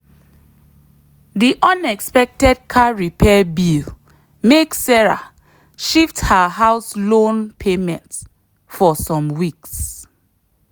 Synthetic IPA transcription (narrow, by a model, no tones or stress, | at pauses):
diʔɔ̃nɛkspɛk̚tɛd̚kʰaɹipʰɛbil | meksɛɹa̰ | ʃifthaɦaʊslõnpʰemɛ̃nt | fɔsɔ̃mwiks